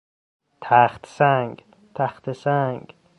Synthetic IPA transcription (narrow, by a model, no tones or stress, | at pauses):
t̪ʰæxt̪sæŋɡ | t̪ʰæxt̪ʰesæŋɡ